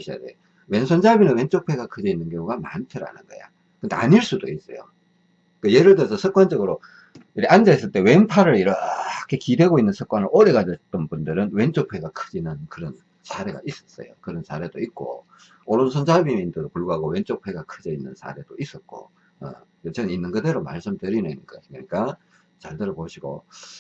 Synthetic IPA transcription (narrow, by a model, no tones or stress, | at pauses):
eɕʰia̰dḛ | we̞nsʰʌnd͡ʑabinɯnwe̞nt͡ɕ͈opʰe̞ɡakʰɯd͡ʑeinːɯnkjoŋuɡamantʰɯɾa̰nɯnɡʌ̰ja̰ | kɯndḛʔa̰ɲiɭs͈udois͈ʌjo̰ | k͈ɯjeɾɯɭdɯsʰʌsʰɯk͈̚wand͡ʑʌɡɯɾo | iɾʔand͡ʑaes͈ɯɭt͈e̞we̞npʰaɾɯɾiɾʌkʰekide̞ɡoinːɯnsʰɯk͈wanɯɾʔoɾeɣad͡ʑʌt͈ʌnbundɯɾɯnwent͡ɕ͈ok̚pʰwe̞ɡakʰɯd͡ʑinɯnkɯɾʌn | sʰaɾe̞ɡa̰is͈ʌ̥s͈ʌ̰jo̰kɯɾʌnsʰaɾe̞doit̚k͈o̰ | oɾonsʰond͡ʑabimindɯɾopuɭɡuɦaɡowe̞nt͡ɕ͈opʰeɡakʰɯd͡ʑeinːɯnsʰa̰ɾe̞d̥ois͈ʌt̚k͈o̰ | ḛket͡ɕeɯinːɯnkɯdeɾoma̰ɭs͈ɯmdɯɾinenikainɯɲik͈a | t͡ɕaɭtɯɾʌboɕʰiɡo̰